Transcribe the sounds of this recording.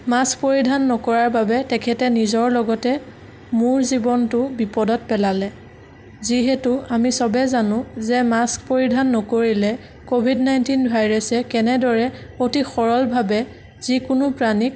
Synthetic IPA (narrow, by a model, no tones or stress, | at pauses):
mask̚poɹidʱanːɔkɔɹaɹbabɛtɛkʰɛtɛnizɔɹlɔɡɔtɛ | mʊɹzibɔntʊbipɔdɔt̚pɛlalɛ | ziɦɛtʊamisɔbɛzanʊ̃zɛmaskpoɹidʱanːɔkoɹilɛ | kobʱidnajntinbʱajɹɛsɛkɛnɛdɔɹɛotixɔɹɔlbʱabɛ | z̥ikʊnʊpɹanik̚